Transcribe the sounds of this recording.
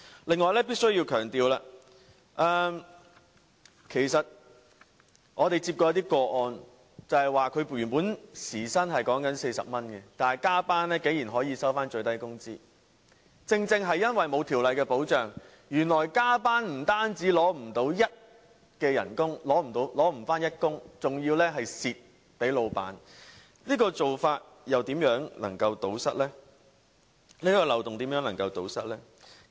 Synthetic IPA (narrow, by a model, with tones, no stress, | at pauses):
lɪ˨ŋːɔː˨jlɛː˥p̬iː˥t̚sɵ˥ɥji˧wkʰœː˨˩ŋt̪iː˨˧wlaː˧ | ʔɛː˧ | kʰe˨˩jsɐ˨t̚ | ʔɔː˨˧t̪e˨jt͡si˧pkɔː˧jɐ˧˥t̪iː˥kɔː˧ʔɔː˧n | t͡sɐ˨˧hɐ˨jwaː˨kʰɵ˨˧ɥpy˨˩npuː˨˥nsiː˨˩sɐ˥nhɐ˨jkɔː˨˥ŋkɐ˨˥nse˧jsɐ̰˨p̚mɐ˥nkɛ˧t̪aː˨nɐ˨˩jkaː˥paː˥nlɛː˥ke˨˥jiː˨˩nɦɔː˨˥jiː˨˧sɐ˥wfaː˥nt͡ʃɵ˧ɥt̪ɐ˥jkʊ˥ŋt͡sḭː˥ | t͡sɪ˧ŋt͡sɪ˧ŋɦɐ˨jːɐ˥nwɐ˨jmo˨˧wt̪ʰiː˨˩wlɐ˨jkɛː˧po˨˥wt͡ʃœː˨ŋ | jyː˨˩nlɔː˨˩jkaː˥paː˥nm̩˨˩t̪aː˥nt͡siː˨˥lɔː˨˥m̩˨˩t̪o˨˥wjɐ˥t̚ | kɛː˧jɐ̰˨˩nkʊ˥ŋlɔː˨˥m̩˨˩t̪o˨˥wlɔː˨˥m̩˨˩faː˥njɐ˥t̚kʊ˥ŋt͡sʊ˨ŋjiː˧wlɛː˥ɦɐ˨jsiː˨t̚ | pe˨˥jlo˨˧wpa̰ː˨˥n | liː˥kɔː˧t͡so˨wfaː˧t̚ | jɐ˨wt̪iː˨˥mjœː˨˥ŋlɐ̰˨˩ŋkɐ˧wt̪o˨˥wsɐ˥t̚lɛː˥ | liː˥kɔː˧lɐ˨wt̪ʊ˨ŋt̪i˨˥mjœː˨˥ŋlɐ˨˩ŋkɐ˧wt̪o̰˨˥wsɐ˥t̚lɛː˥